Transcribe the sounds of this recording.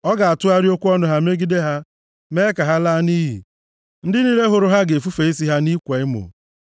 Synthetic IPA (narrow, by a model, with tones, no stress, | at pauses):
ɔ˦ɡa˨a˨tʊ˦a˦ɾjo˦kʷu˦ɔ˦nʊ˦ɦa˦me˦ɡi˦de˦ɦa˦ | me˦ka˨ɦa˦laː˦ni˦ɦḭ˨ | n̩˦dɪ˦ni˦ɾe˦ɦʊ˨ɾʊ˨ɦa˦ɡe˨fu˦fe˨i˦si˦ɦa˦ni˦kʷe˨ɪ˦mʊ̰˨